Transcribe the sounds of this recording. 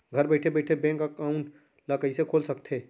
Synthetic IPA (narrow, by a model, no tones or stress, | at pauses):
ɡʱəɾbɛɪʈʰebɛɪʈʰebɛ̃ŋkakaũn | ləkəisekʰoːlsək̚t̪ʰe